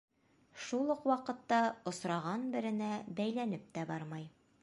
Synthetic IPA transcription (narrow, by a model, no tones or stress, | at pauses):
ʃulˠɤqwɑqɤ̆t̪ːɑŏsɾɑʁɑnbɘ̆ɾɘ̆næbæjlænɘp̚t̪æbɑɾmɑj